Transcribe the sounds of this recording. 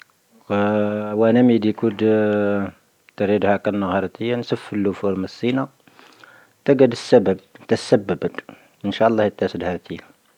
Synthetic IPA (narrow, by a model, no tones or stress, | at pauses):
wænæmid̪ikud̪ | t̪əɾid̪hækænːəɣɑɾˤt̪əjːansəfːəlːufuɾməsːina | t̪æɡæd̪əsːæbəb̚t̪əsəbːəbət̪ | ʔənʃæʔəlˤːɑhjət̪ːæsəd̪hæɾt̪ʰi